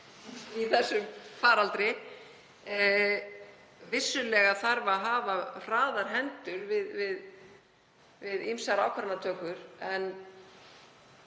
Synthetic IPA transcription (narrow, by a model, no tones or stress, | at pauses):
iθɛsːʏmfaːɾalt̪ɾɪ | vɪsːʏlɛɣaθaɾvaɦaːvar̥aːðaɾ̥ɦɛnt̪ʏɾvɪðvɪð | vɪðimsaɾawkʰaɾanat̪ʰœːkʏɾ̥ɛn